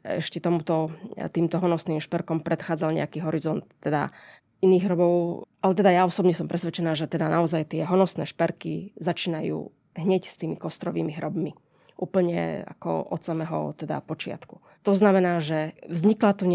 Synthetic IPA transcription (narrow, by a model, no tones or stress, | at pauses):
ɛ̰ʃcɛt̪ɔmut̪ɔt̪iːmt̪ɔɦɔnɔsniːmʃpɛɾkɔmpɾɛt̪xaːd͡zalɲɛ̰akiːɦɔɾizɔnt̪ːɛd̪a̰ | iniːɣɦɾɔbɔʊalɛt̪ɛd̪ajaɔsɔbɲɛsɔmpɾɛsʋɛt͡ʃɛnaːʒɛt̪ɛd̪anaɔzajt̪ɪɛɦɔnɔsnɛ̰ːʃpɛɾkḭzat͡ʃiːnajṵː | ɦɲɛcst̪iːmikɔst̪ɾɔʋḭːmiɦɾɔbmi | ʔuːpl̩ɲɛ̰a̰kɔ̰ɔt̪samɛɦɔ̰t̪ɛd̪a̰pɔt͡ʃɪa̰t̪ku̥ | t̪ɔznamɛnaːʒɛvzɲiklat̪uɲ